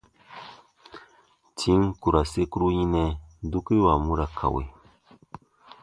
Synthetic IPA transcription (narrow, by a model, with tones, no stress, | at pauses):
tʰi˦ŋku˨ɾa˨se˦ku˦ɾu˦jĩ˦nɛ̃˧˦du˦ki˦wa˨mũ˦ɾa˨kʰa̰˨wḛ˨